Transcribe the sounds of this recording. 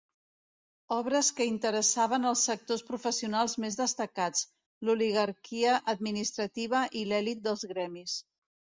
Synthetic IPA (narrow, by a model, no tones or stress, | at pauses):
ɔβɾəskəint̪əɾəsaβ̞ənəlˠsːək̚t̪ospɾufəsiunalˠzmezðəst̪əkat͡s | luliɣəɾkiəʔəd̪̚minist̪ɾət̪iβ̞əʔilɛlit̪̚d̪əlˠzɣɾɛmis